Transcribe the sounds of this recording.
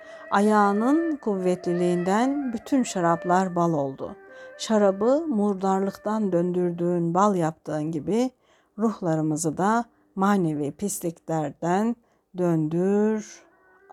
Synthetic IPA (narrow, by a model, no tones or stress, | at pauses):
ajaːnɯnkʰuvːɛt̪lʲilʲiːnd̪ænbyt̪ʰynʃaɾablˠaɾbalˠo̞lˠd̪ṵʃaɾabɯmuɾd̪aɾlˠɯkt̪ʰand̪ønd̪yɾd̪yːnbalˠjap̚t̪ʰɯːɯnɟibi | ɾuhlˠaɾɯmɯzɯd̪a | maːnevipʰist̪ʰiclʲæɾd̪æn | d̪ønd̪yɾ